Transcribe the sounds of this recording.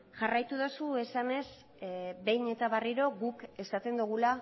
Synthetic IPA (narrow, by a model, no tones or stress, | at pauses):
ʝarajt̪uð̞osue̞sane̞s | be̞jɲe̞t̪aβariɾo̞ɣuke̞sat̪e̞nd̪uɣula